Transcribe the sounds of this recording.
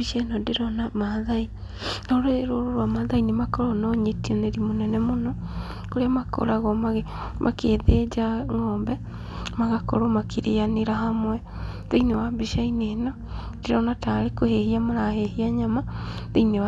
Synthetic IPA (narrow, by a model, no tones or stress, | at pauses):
biʃenɔdeɾɔnamaðai | nɔɾoɾoɾoɾwamaðainemakɔɾɔnɔɲetiɔneɾimonɛnɛmonɔ | koɾeamako̰ɾaɣɔmaɣe | mʔa̰keːðed͡ʒaŋɔːmbɛ | maɣakɔ̰ɾɔmakiɾeaneɾahamwɛ | ðeinewabiʃainenɔ | d̥eɾɔnataɾekohehiamaɾahehiaɲamaðeinewa